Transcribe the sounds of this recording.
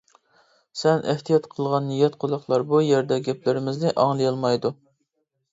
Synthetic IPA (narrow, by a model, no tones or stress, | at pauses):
sɛnʔɪ̰ht̪ʰijɑt̪qʰəlˠʁɑnːijɛt̪qʰʊlˠəχlˠɑɾbujeɾd̪ɛɡʲɛplɪɾɪmɪznɪʔɑŋlˠɨjɑlˠmɑjd̪u